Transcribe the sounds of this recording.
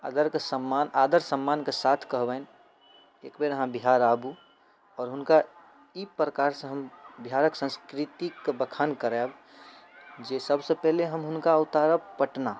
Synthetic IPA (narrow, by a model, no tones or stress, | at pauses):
a̰ːd̪əɾkesəmːanaːd̪əɾsəmːankesat̪ʰkəɦbən | eːkbeɾəɦãbiɦaɾaːbu | ɔːɾɦʊnka | ipɾəkaɾsẽɦəmbiɦaɾəksə̃skɾit̪ikbəkʰankəɾɛb | d͡ʒesəbsepɛɦleɦəmɦʊnkaʊt̪aɾəpəʈna